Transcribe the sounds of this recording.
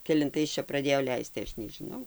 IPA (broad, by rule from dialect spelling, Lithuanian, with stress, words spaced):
kʲɛlʲɪnˈtɐɪs ˈt͡ʃʲɛ prɐˈdʲeːjoː ˈlʲɛɪst tɐɪ ˈɐʃ nʲɛʒʲɪˈnɐʊ